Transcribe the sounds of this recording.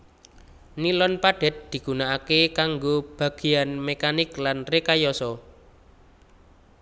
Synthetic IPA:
nilɔnpaɖ̥ɛ̤t̪̚d̪̥i̤ɡ̥unaakekaŋɡob̥ä̤ɡ̥i̤anmekanɪklanrekajɔsɔ

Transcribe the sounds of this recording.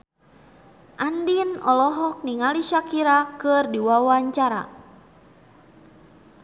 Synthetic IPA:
ʔandinɔlɔɦɔk̚niŋaliʃakiɾakɨrdiwawaɲt͡ʃaɾa̰

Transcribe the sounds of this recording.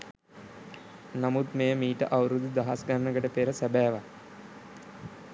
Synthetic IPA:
namut̪mejəmiːʈə̰ʔaʋɾud̪id̪aɦasɡanːəkəʈəpeɾəsæbæːʋa

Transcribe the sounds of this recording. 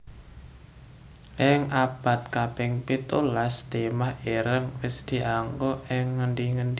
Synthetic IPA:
ʔɪŋab̥a̤t̪̚kapɪŋpit̪olast̪emaheɾəŋwɪsd̪̥i̤ʔaŋkɔɪŋːəɳɖiŋəndi

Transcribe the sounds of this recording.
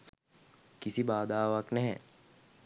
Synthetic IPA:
kisibaːd̪aːʋaknɛɦɛ

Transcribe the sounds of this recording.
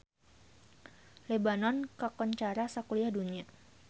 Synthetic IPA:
lebanɔnkakɔɲt͡ʃaɾasakuliahdunia

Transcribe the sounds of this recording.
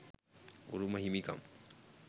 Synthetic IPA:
ṵɾumɐɦimika̰m

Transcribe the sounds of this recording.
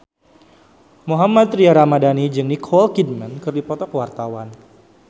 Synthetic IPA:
moɦamat̪ɾiaɾamadanid͡ʒɨŋnikʰɔlkid̚mənkɨrdipɔt̪ɔkəwart̪awan

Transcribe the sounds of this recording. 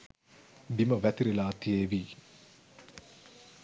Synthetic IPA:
biməʋæt̪iɾilaːt̪ijeːʋi

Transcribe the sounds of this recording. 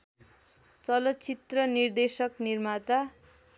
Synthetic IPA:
t͡sʌlʌt͡sit̪rʌnird̪esʌknirmat̪a

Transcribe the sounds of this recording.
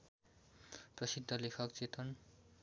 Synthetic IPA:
prʌsid̪ʱːʌlekʰʌkt͡set̪ʌn

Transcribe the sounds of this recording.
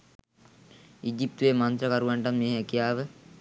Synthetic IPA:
id͡ʒip̚t̪uʋemant̪ɾəkaɾuʋaɳʈamːeːɛkijaːʋə

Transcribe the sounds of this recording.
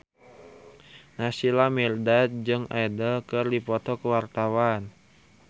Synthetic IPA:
nasilamirdat̪̚d͡ʒɨŋa̰jdəlkərdipɔt̪ɔkəwart̪awan

